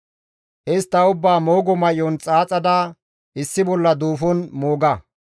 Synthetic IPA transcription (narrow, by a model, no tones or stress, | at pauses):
ʔɛst̪ːɐʊbːaːmoːɡɔmɐjɔnt͡sʼaːt͡sʼɐd̪a | ɪsːɪbɔlːɐd̪uːfɔnmoːɡɐ